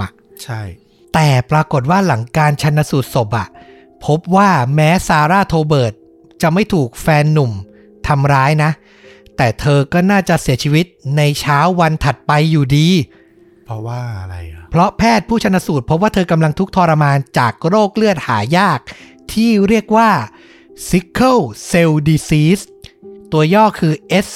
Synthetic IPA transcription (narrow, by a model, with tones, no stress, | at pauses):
t͡ɕʰa˥˩j | t̪ɛː˨˩pɾaː˧ko˨˩t̪̚waː˥˩la˩˦ŋkaː˧nt͡ɕʰa˧nːa˧suː˨˩t̪̚so˨˩p̚ʔa˨˩ | pʰo˦˥p̚waː˥˩mɛː˦˥saː˧ɾaː˥˩t̪ʰoː˧bɤː˨˩t̪̚ | t͡ɕa˨˩ʔma˥˩jt̪ʰuː˨˩k̚fɛː˧nːu˨˩m | t̪ʰa˧mɾaː˦˥jna˦˥ʔ | t̪ɛː˨˩t̪ʰɤː˧kɔː˥˩naː˥˩t͡ɕa˨˩si˩˦ət͡ɕʰiː˧wi˦˥t̪̚na˧jt͡ɕʰaː˦˥wːa˧nt̪ʰa˨˩t̪̚pa˧jːuː˨˩diː˧ | pʰwaː˥˩a˧ɾa˧jpʰɾɔ˦˥pʰɛː˥˩t̪̚pʰuː˥˩t͡ɕʰa˧nːa˧˥suː˨˩t̪̚pʰɾp̚waː˥˩t̪ʰːka˧mla˧ŋt̪ʰu˦˥k̚t̪ʰɔː˧ɾa˧maː˧nt͡ɕaː˨˩k̚ɾoː˥˩k̚lɯ˥˩ət̪̚ha̰ː˩˦jaː˥˩k̚ | t̪ʰiː˥˩ɾi˥˩ək̚waː˥˩ | si˦˥kʰːɤ˥˩wse˧wdiː˧siː˦˥s | t̪u˧ɐjɔː˥˩kʰɯː˧ʔe˦˥s